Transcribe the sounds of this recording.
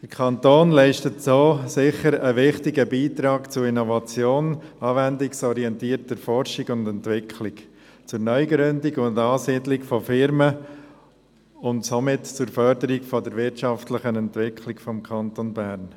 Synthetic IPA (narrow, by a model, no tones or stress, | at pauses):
d̥əɾkʰɑnt̪oːnlɛɪʃtətsoːsɪχəɾəʋɪχtɪɡəbiːt̪ɾɑːɡt͡sʊinɔvɑt͡sjoːnɑːvɛndɪksɔɾiɛntiːəɾtəɾfɔɾʃiɡʊndɛntʋɪkʰlɪk | t͡sʊɾnœʏɡɾʏndɪɡʊndɑːsiːdlɪkfɔfɪɾmə | ʊntsomɪtt͡sʊɾfœɾdəɾikfɔdəɾʋɪɾtt͡ʃɑftləχənɛntvɪkʰlɪkfɔmkʰɑnt̪onbæɾn